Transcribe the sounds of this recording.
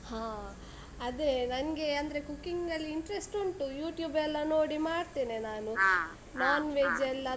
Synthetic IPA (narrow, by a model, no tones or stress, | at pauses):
hãː | ɐd̪enɐnɡe̞ɐnd̪ɐɾe̞kukːiŋɡɐlːiːɳʈɾesʈoɳʈujuːʈjuːbɛlːɐno̞ːɽimaːɽt̪eːnenaːnu | naːnʋeːd͡ʒɛlːɐ